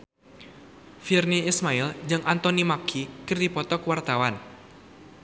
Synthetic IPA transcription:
firniismaild͡ʒɨŋʔant̪ɔnimakʰikɨrdipɔt̪ɔkwart̪awan

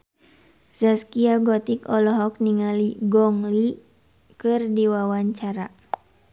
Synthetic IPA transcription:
zaskiaɡɔt̪ikɔlɔɦɔk̚niŋaliɡɔŋli | kɨrdiwawaɲt͡ʃaɾa

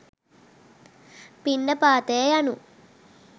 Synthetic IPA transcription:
piɳɖəpaːt̪ejɐjanu

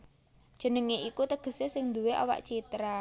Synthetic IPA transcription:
d̥ʒ̥ə̤nəŋeʔikut̪əɡ̥ə̤sesɪŋnd̪uweʔa̰wa̰ʔt͡ʃit̪ɾa

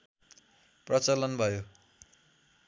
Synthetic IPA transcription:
prʌt͡sʌlʌnbʱʌjo

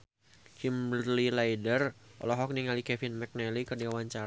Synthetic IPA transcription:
t͡ʃimlilaidərʔɔ̰lɔɦɔk̚niŋalikɛfɪnmɛk̚nɛlikərdiawaɲt͡ʃaɾ

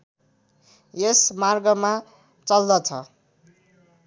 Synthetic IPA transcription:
jesmarɡʌma | t͡sʌld̪ʌt͡sʰʌ

